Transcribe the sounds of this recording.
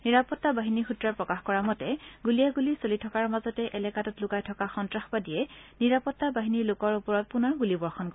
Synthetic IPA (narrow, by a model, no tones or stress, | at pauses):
niɹapɔtːabaɦinixutɹaɹpɹɔkaxkɔɹamɔtɛɡulijaɡulisolitʰɔkaɹmazɔtɛʔɛlɛkatɔtlʊkajtʰɔkaxɔntɹaxbadijɛniɹapɔtːabaɦiniɹlokɔɹupɔɹɔt̚punɔɹɡulibɔɹxɔnkɔ